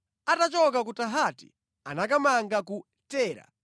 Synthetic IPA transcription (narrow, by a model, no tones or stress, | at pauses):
atat͡ʃɔkak̬utaɦatḭ | anakamaŋɡaku | tɛːɾa̰